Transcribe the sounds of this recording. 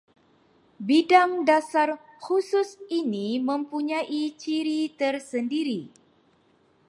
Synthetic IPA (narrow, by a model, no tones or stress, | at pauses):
bidaŋdasar | husʊsinimə̃mpuɲãʔit͡ʃiɾit̪ərsəndiɾi